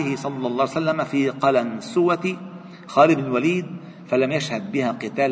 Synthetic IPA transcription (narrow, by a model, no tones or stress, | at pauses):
ɪhɪsˤɑlːɑlˤːɑːhsalːamafiːqɑlansʊwat̪i | xɑːlɪbnɪlwaliːd̪ | falamjaʃhad̪̚bɪhaːqɨt̪aːl